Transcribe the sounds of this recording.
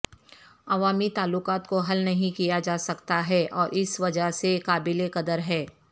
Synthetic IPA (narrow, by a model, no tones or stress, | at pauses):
ɐʋaːmit̪aːlːʊkaːt̪koɦɐlnɐɦĩkijad͡ʒaːsɐkt̪aɦɛːʔɔːɾʔɪsʋɐd͡ʒəɦsekaːbɪlekɐd̪əɾɦɛː